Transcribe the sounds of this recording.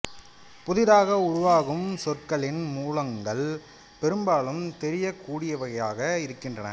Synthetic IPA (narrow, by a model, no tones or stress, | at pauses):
pʊðɪðaːɣɐʊɻʊʋaːɣɯmsɔrkɐɭɪnmuːlɐŋɡɐɭ | pɛɾɯmbaːlɯmt̪ɛɾɪjɐkuːɽɪjɐʋɐɣɐjaːɣɐɪɾɯkːɪndrɐnɐ̰